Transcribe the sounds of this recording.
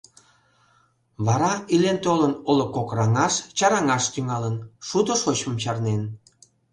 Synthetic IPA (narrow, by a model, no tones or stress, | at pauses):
βɑɾɑilent̪olənolokokrɑŋɑʃt͡ɕɑɾɑŋɑʃt̪yŋɑlənʃud̪oʃot͡ɕməmt͡ɕɑrnen